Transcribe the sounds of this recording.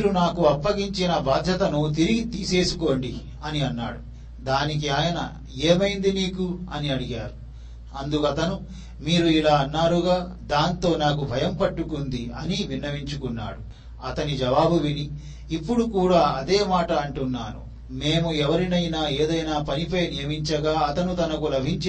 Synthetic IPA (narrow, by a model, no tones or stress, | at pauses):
mːɾunaːkuɐpːɐɡiɲt͡ʃinɐbʱaːd̪ʱjɐt̪ɐnut̪̬iɾiɡit̪iːse̞ːsuko̞ːɳɖi | ɐniɐnːa̰ːɽu | d̪aːnik̬iaːjɐnɐ̰ | eːmɐjind̪iniːkuɐniɐɽiɡaːɾu | ɐnd̪ukɐt̪ɐnu | miːɾuilaːɐnːaːɾuɡaː | d̪aːnt̪o̞ːnaːk̬ubʱɐjɐmpɐʈːukund̪iɐniʋinːɐʋiɲt͡ʃukunːa̰ːɽu | ɐt̪ɐnid͡ʒɐʋaːbuʋiniː | pːuɽukuːɽaːɐd̪e̞ːmaːʈɐːɳʈunːaːnṵ | me̞ːmuɛʋɐɾinɐjnaːe̞ːd̪ɐjnaːpɐnipɐjnijɐmiɲt͡ʃɐɡaːɐt̪ɐnut̪ɐnɐkulɐbʱiɲt͡ʃ